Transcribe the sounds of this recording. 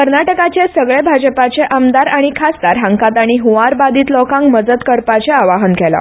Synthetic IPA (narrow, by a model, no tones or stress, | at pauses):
kəɾnaʈəkat͡ɕesəɡɭebʱad͡ʑəpat͡ɕeʔəmd̪aɾaɽ̃ikʰast̪aɾɦaŋkat̪aɽ̃iɦuʋaɾbad̪iːt̪lɔkãŋkməd͡zət̪kəɾpat͡ɕeaʋaɦənkɛla̰